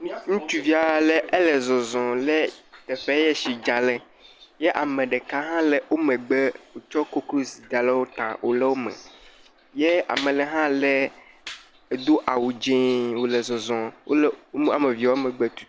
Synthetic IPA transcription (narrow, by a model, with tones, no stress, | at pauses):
ŋũ˦t͡ʃu˨vi˦a˨lɛ˦ʔe˦lɛ˨zɔ̃˨zɔ̃˨lɛ˦t̪ɛ˨fe˦jɛ˦ʃi˨d͡ʒa˨lɛ˨ | jɛ˦ʔa˨mẽ˨ɖɛ˨ka˦ɦã˦lɛ˨wʔo˦mẽ˨ɡ͡bɛ˦wo˨t͡ʃɔ˦ko˦klo˦si˨d͡ʒa˨lɛ˦wo˦t̪ã̰˨wʔo̰˦lɛ˦wo˦mɛ̰˨ | je˦a̰˨mɛ̃˨lɛ˨ɦã˦lɛ˦ | e˨d̪o˦ʔa˨wu˨d͡ʒẽ˦wo˨lɛ˨zɔ̃˨zɔ̃˨wo̰˦la˨me˨vi˨a˨˦o˦mɛ̃˨ɡ͡be˦t̪u̥˨